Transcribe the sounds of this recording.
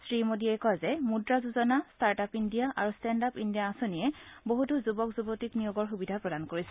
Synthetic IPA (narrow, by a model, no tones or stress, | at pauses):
sɹimodiɛkɔazɛmudɹazuzɔnastaɹtapindijaʔaɹustɛndapindijaːsoniɛboɦutuzubɔkzubotiknijoɡɔɹxubidʱapɹɔdankoɹisɛ